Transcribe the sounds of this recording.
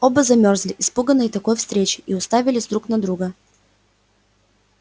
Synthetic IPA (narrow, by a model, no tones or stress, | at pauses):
obəzɐmʲorzlʲɪʔɪspuɡənəit̪ɐkɔjfst̪ɾʲet͡ɕɪ̥ʔiʊst̪avʲɪlʲɪzʲd̪ɾuknɐd̪ɾuɡə